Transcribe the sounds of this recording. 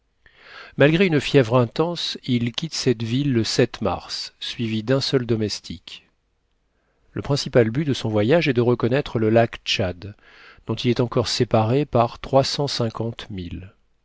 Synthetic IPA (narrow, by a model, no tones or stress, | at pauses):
malɡʁeynəfjɛvʁɛ̃t̪ɑ̃silkʲit̪sɛt̪vilːəsɛt̪ma̰ʁsːɥivid̪ɛ̃sœld̪ɔmɛst̪ʰik | ləpχɛ̃sipalbyd̪əsɔ̃vwajaʒɛd̪əʁəkɔnɛt̪χələlakt͡ʃad̪ | d̪̥ɔ̃t̪ilɛt̪ɑ̃kɔʁsepaʁepaʁt̪χwasɑ̃sɛ̃kʰɑ̃t̪mil